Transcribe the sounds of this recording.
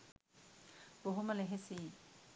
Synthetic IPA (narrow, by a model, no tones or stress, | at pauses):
boɦuməleɦesiː